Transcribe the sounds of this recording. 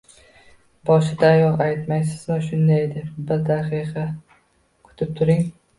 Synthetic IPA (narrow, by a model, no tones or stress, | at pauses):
bɒʃɪd̪aːjɒlˠajt̪majsɪzmɪʃʊnd̪ajed̪ɪbɪɾd̪aqɨqʰɑ | kʰʊ̥t̪ʰɪp̚t̪ʰʊɾɪŋ